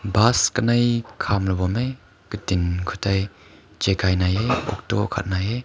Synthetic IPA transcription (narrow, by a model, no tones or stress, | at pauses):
baskənɐjkʰamlɐbɔme | kətinkʰutaj | t͡ʃekajnajeɔ̰k̚tɔkʰa̰t̚naje